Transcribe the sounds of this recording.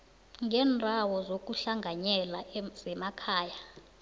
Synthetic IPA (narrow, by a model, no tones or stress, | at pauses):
ŋɡʱɛːndʱawɔzok̬ʼuɬaŋɡʱaɲɛlaz̥ɛmakʰaːja